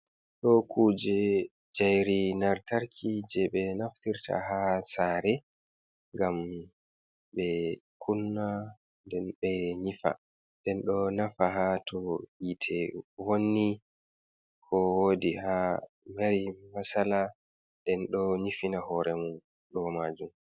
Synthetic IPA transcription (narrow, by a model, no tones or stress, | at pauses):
ɗɔkʰuːd͡ʒɛ | d͡ʒajɾinaɾtaɾkʰid͡ʒɛɓɛnaftiɾtʰa̰hasaːɾɛ | ŋɡam | ɓɛkʰunːa | ndɛnɓɛɲifa̰ | dɛnɗɔnafaɦatʰɔhitʰɛwonːi | kʰɔwodiha | maɾimasala | dɛnɗɔɲifinahɔɾɛmun | ɗɔmad͡ʒum